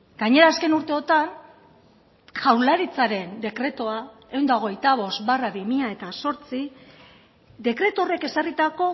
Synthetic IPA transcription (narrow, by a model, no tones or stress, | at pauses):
ɡ̥aɲe̞ɾaːske̞nuɾt̪e̞o̞t̪an | ʝawlaɾit͡saɾe̞nd̪e̞kɾe̞t̪oa | e̞wnd̪ao̞ɣ̞e̞jt̪aβ̞o̞st̪baraβimiʎae̞t̪aso̞ɾt͡si | d̪e̞kɾe̞t̪o̞re̞ke̞sarit̪ako̞